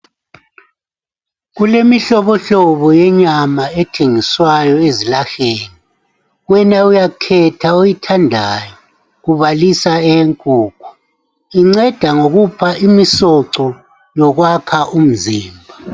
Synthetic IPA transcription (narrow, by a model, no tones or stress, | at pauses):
ɣulemiɬɔβɔɬɔβɔjɛɲamaɛtʰeŋiswajɔezilaxeːni | ɣwɛnaujakʰɛtʰaujitʰandʱaːjɔ | ɣuβalisaɛjeŋkʼuːkʰu̥ | iŋ͡ǀɛd̥ʱaŋoɣupʰaʔimisɔǀɔ | jɔɣwakʰaʔum̩ziːmbʱa